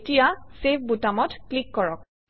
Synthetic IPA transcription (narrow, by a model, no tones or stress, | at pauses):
tijasepʰbutamɔtklikːɔɹɔk